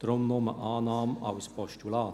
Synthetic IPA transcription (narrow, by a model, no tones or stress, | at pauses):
d̥ɾʊmnomə̰ʔɑːnɑːmɑ̰wspɔʃtulɑː